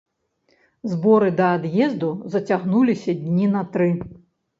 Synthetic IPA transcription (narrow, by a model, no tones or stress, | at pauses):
zbɔɾɨd̪ɐːd̪jɛzd̪uzɐt͡sʲaɣnulʲisʲɐd̪ʲnʲinɐt̪ɾɨ